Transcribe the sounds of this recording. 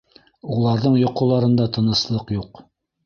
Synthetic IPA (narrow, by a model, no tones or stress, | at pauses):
ulˠɑɾðɤɴjŏqŏlˠɑɾɤ̆nd̪ɑt̪ɤ̆nɤ̆slˠɤqjuq